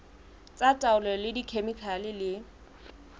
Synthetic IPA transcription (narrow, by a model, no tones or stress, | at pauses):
t͡sʼatʼaʊlɔlɪdikʰemikʰalɪlɪ